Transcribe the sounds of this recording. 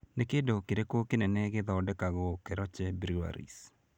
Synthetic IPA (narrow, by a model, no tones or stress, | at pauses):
nekedokeɾekokenenɛɡɪd̪ɔdɛkaɡɔkɛɾɔt͡ʃɛbɾia̰ɾḭs